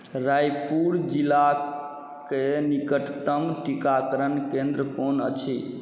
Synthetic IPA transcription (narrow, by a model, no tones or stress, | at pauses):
ɾajpuɾd͡ʒila | kenikəʈʰt̪əmʈikakəɾənkẽnd̪ɾəkonət͡ʃʰi